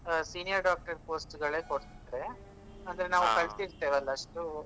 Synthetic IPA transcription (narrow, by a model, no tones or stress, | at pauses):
siːnijɐɾɖaːk̚ʈɐɾpoːsʈɡɐɭe̞ːkoɽt̪id̪ɾe̞ | ɐnd̪ɐɾenaːʋukɐɭt̪iɾt̪eːʋɐlːɐɐʂʈu